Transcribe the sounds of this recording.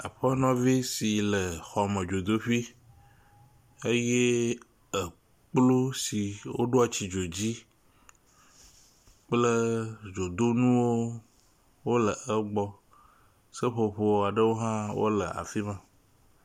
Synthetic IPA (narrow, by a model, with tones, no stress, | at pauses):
a̰˨ɸə˦nɔ̃˦vi˦si˨lə˨xɔ˨mə̃˨d͡ʒo˨d̪o˦ɸi˦ | e˦je˦ | ə˨ | k͡plu˦si˨wo̰˦ɖo˦a˨t͡ɕi˨d͡ʒo˨d͡ʑi˦ | k͡plə˦d͡ʒo˨d̪o˦nũ˦wo˦ | wo˦lə˨ʔə˦ɡ͡bɔ˦ | sə˦ɸo˨ɸo˦wa˨ɖə˦wo˦ɦã˦wo̰˦lə˨a̰˨fi˦mã˨